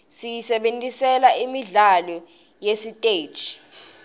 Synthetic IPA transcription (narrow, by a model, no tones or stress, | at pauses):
sijisɛɓentʼisɛlaʔimiɮalɔ | jesitʼe̥ːt͡ʃi